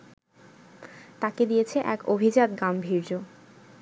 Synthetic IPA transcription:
t̪aked̪ijet͡ɕʰeʔɛkobʱid͡ʑad̪̚ɡambʱiɾd͡ʑo

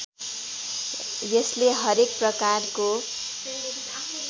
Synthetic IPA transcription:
jʌsleɦʌɾek̚prʌkarko

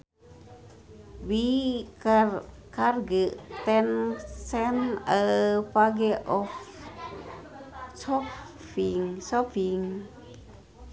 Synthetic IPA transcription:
wikr | karɡəʔt̪ɛnsɛnəpaɡɛʔɔf | sɔ | fiŋsɔpiŋ

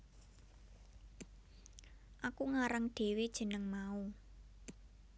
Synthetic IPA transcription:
ʔakuŋaɾəŋɖ̥e̤wed̥ʒ̥ə̤nəŋmau

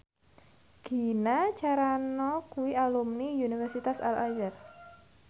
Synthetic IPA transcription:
ɡ̥i̤nat͡ʃaɾanɔkuwialumniunifɛrsit̪asa̰lajər

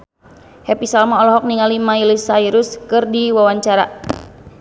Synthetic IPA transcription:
hɛpisalmaɔlɔɦɔk̚niŋalimailisaiɾuskɨrdiwawaɲt͡ʃaɾa

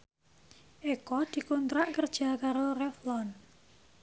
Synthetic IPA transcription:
ʔekɔd̪̥i̤kɔnt̪ɾaʔkərd̥ʒ̥a̤kaɾorɛflɔn

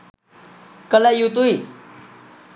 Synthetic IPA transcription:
kəlɛjut̪̬ui

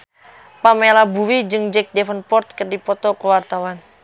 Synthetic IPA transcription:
pamelabuwid͡ʒɨŋd͡ʒɛk̚dɛfənpɔrt̪̚kərdipɔt̪ɔkəwart̪awan

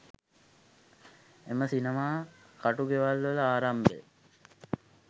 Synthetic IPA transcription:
eməsinemaː | kaʈuɡeʋalʋələaːɾambḛ

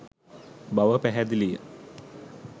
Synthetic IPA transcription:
baʋəpæɦæd̪ilijə̰

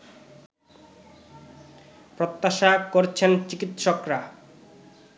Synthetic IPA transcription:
pɾot̪ːaʃakoɾt͡ɕʰent͡ɕikit̪ʃokɾa

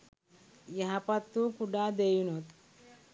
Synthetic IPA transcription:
jɐɦapɐt̪ːukuɖad̪ejunot̪

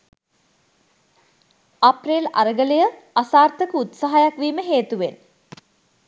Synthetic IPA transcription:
apreːla̰ɾəɡələjə | asaːrt̪əkəut̪saɦajakʋiːməɦeːt̪uʋen

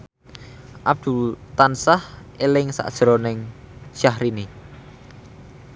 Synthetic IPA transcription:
ʔab̚d̪̥ult̪ansah | elɪŋsa̰ʔd̥ʒ̥ɾɔnɪŋʃahɾini

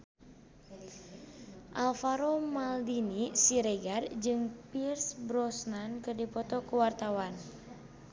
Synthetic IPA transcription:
ʔalfaɾomaldinisiɾeɡard͡ʒɨŋpirsbɾɔsnankɨrdipɔt̪ɔkəwart̪awan

